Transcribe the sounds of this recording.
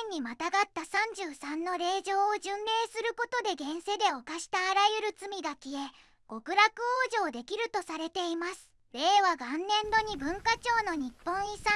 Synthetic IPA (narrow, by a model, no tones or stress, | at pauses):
ẽɲ̟ːimat̪aɡat̪ːasãɲ̟d͡ʑɨːsãnːo̞ɾe̞ːʑo̞ːoʑɯ̃nɾe̞ːsɨɾɯ̟ko̞t̪o̞d̪e̞ɡẽ̞ɰ̃se̞d̪e̞o̞kaɕi̥t̪aːɾajɯ̟ɾɯ̟t͡sɨmʲiɡakʲie̞ | ɡ̥o̞kɯ̟ɾakɯ̟oːʑo̞ːd̪e̞kʲiɾɯ̟t̪o̞saɾe̞t̪e̞imasɨ̥ | ɾe̞ːβaɡãnːẽ̞nd̪o̞ɲ̟ibɯ̟̃ŋkat͡ɕo̞ːno̞ɲ̟ipːõ̞ɰ̃isã